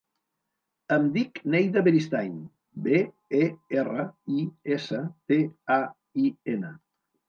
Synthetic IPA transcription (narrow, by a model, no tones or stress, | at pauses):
əmd̪iknejðəβeɾist̪ajɲ | be | eerəiesət̪ea | ienə